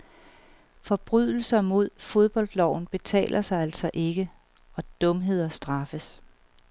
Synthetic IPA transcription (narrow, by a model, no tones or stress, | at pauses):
fɒ̽b̥ʁyðˠl̩sɐmo̝ð̞̰ˠfo̝ð̞ˠb̥ɒ̽ld̥lɒʊ̰n̩b̥e̝t͡sʰɛ̰ːlʔɐsɑ̈ɪæl̰sɒ̽ʔe̝ɡ̥ə | ɒ̽d̥ɔ̽mɦe̝ð̞̰ˠɐsd̥ʁɑ̈fəs